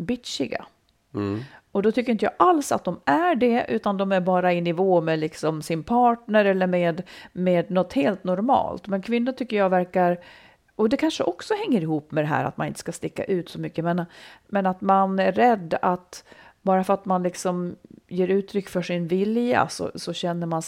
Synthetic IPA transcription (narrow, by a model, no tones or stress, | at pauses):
bɪt̪ʂɪɡa̰ | ɔd̪ɔt̪ʏkːɾjɪnt̪jɑ̰ːʔalsa̰t̪̚d̪ɔmæɖɛʔʉ̟ːt̪and̪ɔmæɾbɑːɾaɪnːɪvoːmɛlɪksɔmsɪnpʰɑːʈɳəɾɛlːəɾmeːd̪meːd̪nɔt̪heːlt̪nɔɾmɑ̰ːlt̪mɛnkʰvɪnːʊt̪ʰʏkːəɾjɑːvæɾkaɾ | ɔd̪ɛkʰanʂəʔɔksɔhɛŋːəɾɪhuːpːmɛd̪ɛɦæ̰ːɾa̰t̪̚manɪnt̪ə̥skast̪ɪkːa̰ʔʉ̟ːt̪sɔmʏkːəjamenamɛnat̪manæːɛd̪ːat̪bɑːɾafœɾat̪manlɪksɔmjeːɾʉ̟ːt̪ʰɾʏkːfœʂɪnvɪlja̰sɔ̰sɔɕɛnːəɾman